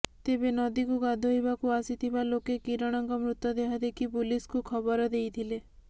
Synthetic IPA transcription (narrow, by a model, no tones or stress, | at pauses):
t̪ebenɔd̪ikuɡad̪ʱoɦibakuasit̪ʰibalokekiɾɔɽ̃ɔŋkɔmɾut̪ːɔd̪eɦad̪ekʰipuliskukʰɔbɔɾɔd̪ejt̪ʰile